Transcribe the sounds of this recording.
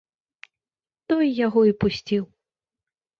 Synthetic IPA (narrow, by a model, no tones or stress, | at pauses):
t̪ɔjjaɣɔipusʲt͡sʲiw